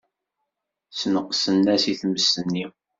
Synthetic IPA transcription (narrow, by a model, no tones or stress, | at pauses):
snəqsənːæsiθməsənːi